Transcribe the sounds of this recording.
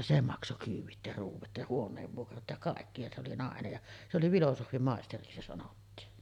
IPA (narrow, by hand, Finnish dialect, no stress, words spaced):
se mɑkso kyːʋˑit jɑ ruːʋˑɑt jɑ huonˑeːʋːuokrɑt jɑ kɑˑekːi jɑ se oli nɑˑenej jɑ se oli ʋilosohʋimɑˑesteriksi se sɑnotːiːn